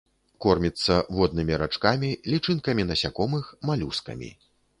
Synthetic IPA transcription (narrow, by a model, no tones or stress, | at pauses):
kɔrmʲit̪sːɐvɔd̪̚nɨmʲiɾat͡ʂkamʲilʲit͡ʂɨnkɐmʲinɐsʲakɔmɨxmalʲuskɐ̰mʲḭ